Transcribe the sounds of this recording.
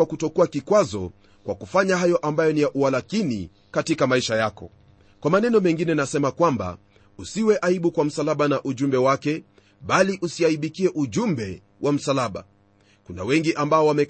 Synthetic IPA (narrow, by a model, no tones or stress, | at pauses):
akutɔkuakikwazɔ | kwakufaɲaɦajɔʔambajɔnijaʔualakinḭ | katikamaiʃajakɔ̰ | kwamanɛnɔmɛŋɡinɛnasɛmakwamba̰ | usiwɛʔaiɓukwam̩salaɓanaʔuʄumbɛwakɛ | ɓaliʔusiaiɓikiɛʔuʄumbɛ | wʔam̩salaɓa̰ | kuna̰wɛŋɡiʔambaɔwamɛ